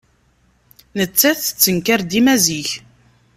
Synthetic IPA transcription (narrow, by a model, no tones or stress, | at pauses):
nət͡sːæθə̥t͡sːənkaɾd̪imæziç